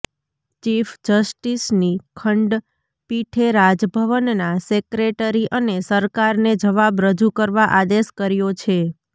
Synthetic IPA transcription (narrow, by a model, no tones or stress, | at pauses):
t͡ʃifd͡ʒəsʈisnikʰəɳɖ | piʈʰeɾad͡ʒbʱəʋənnasekɾeʈəɾiʔənesəɾkaɾned͡ʒəʋabɾəd͡ʒukəɾʋaʔad̪eʃkəɾjot͡ʃʰe